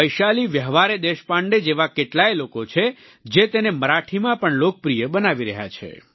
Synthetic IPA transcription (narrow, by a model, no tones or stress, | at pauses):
əjʃaliʋjəɦʋaɾed̪eʃpãɳɖed͡ʒeʋakeʈlajlokot͡ʃʰe | d͡ʒet̪eneməɾaʈʰimãpəɳlok̚pɾijəbənaʋiɾəɦja̰t͡ʃʰḛ